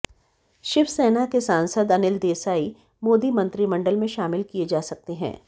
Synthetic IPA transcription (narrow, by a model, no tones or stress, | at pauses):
ʃɪʋsɛːnakesaːnsəd̪ɐnɪld̪eːsaːi | moːd̪imɐ̃nt̪ɾimɐ̃ɳɖəlmẽʃaːmɪlkied͡ʒaːsɐk̚t̪eɦɛ̰̃ː